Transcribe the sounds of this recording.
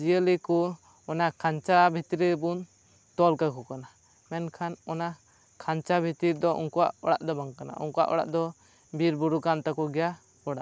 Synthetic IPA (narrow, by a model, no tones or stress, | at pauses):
d͡ʒijəliku | ɔnakʰant͡ʃabʱit̪iɾibun | t̪ɔlkakɔkana | mɛnkʰanɔna | kʰant͡ʃabʱit̪iɾd̪ɔʔṵŋkɔwa̰ʔɔɽa̰ʔd̪ɔbaŋkana̰ṵŋkɔa̰ʔɔ̰ɽa̰ʔd̪ɔ | biɾbuɾukant̪akɔɡɛja | ɔɽaʔ